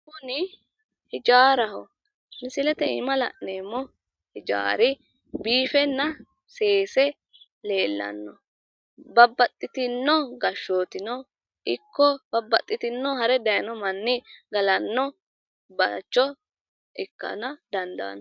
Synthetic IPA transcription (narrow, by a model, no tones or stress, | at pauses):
kʊnɪ | hɪd͡ʒaːɾɐɦɔ | mɪsɪlɛt̪ɛɪ̰mɐlɐ̰ʔneːmːɔ | hɪd͡ʒa̰ːɾɪ | biːfɛnːɐ | se̞ːsɛ | le̞ːlːɐ̰nːɔ | bɐbːɐt̪ʼːɪt̪ɪnːɔɡɐʃːoːt̪ɪnɔ | ʔɪkːɔb̥ɐbːɐt̪ʼːɪt̪ɪnːɔhɐɾɛd̪ɐjɐnɔmɐnːɪɡɐlɐnːɔ | bɐt͡ʃːɔ | ʔɪkːɐ̰nɐd̪ɐnd̪a̰ːnːɔ